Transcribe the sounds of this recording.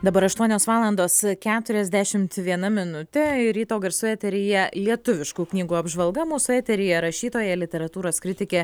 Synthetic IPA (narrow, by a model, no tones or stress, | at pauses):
d̪ɐbɐɾɐʃt̪uɔnʲoːsʋɑːlˠɐnd̪oːskʲæːt̪ʊɾʲɛzʲd̪ʲæʃʲɪmt̪ʋʲiɛnɐmʲɪnʊt̪ʲɛɪɾʲiːt̪oːɡɐɾsʊɛːt̪ʲɛɾʲɪjɛlʲiɛt̪ʊʋʲɪʃkuːknʲiːɡuːɐbʒʋɐlˠɡɐmuːsʊæːt̪ʲɛɾʲɪjɛɾɐʃʲiːt̪oːjɛlʲɪt̪ʲɛɾɐt̪uːɾoːskɾʲɪt̪ʲɪkʲeː